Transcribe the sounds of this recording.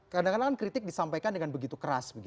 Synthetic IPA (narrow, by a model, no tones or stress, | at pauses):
kadaŋkanakankɾit̪ɪk̚disampajkandəŋanbəɡit̪ukəɾa̰sbəɡi